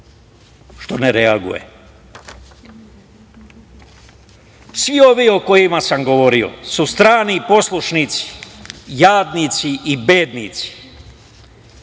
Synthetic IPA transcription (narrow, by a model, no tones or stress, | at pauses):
ʃt̪o̞neɾeaɡṵjḛ | sʋio̞ʋio̞ko̞jimasamɡo̞ʋo̞ɾio̞̰sust̪ɾaːnipo̞slˠuʃnit̪si̥jaːd̪nit̪siʔibeːd̪nit̪si̥